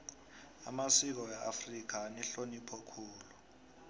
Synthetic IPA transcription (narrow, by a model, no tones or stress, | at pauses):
a̰masik̬ɔjaʔafrik̬ʰanɛɬonipʰɔkʰuːlu